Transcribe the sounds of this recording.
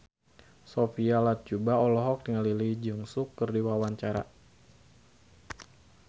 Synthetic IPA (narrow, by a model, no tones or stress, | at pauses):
sofialat̪̚d͡ʒubaɔlɔɦɔk̚diŋalilid͡ʒɨŋsukːərdiwawaɲt͡ʃaɾa̰